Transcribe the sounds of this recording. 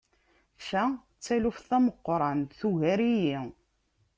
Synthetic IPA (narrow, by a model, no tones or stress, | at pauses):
ʃæ | t͡sːælufθæməqːɾˤɑnθuʝæɾiji